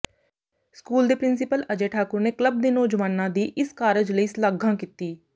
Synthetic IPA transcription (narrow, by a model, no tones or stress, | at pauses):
skuːld̪iːpɾɪnsɪpələd͡ʒeːʈʰaːkʊɾneːkləb̚d̪iːnoːd͡ʒʋaːnãːd̪iːʔɪskaːɾəd͡ʒləiːslaɡãːkiːt̪iː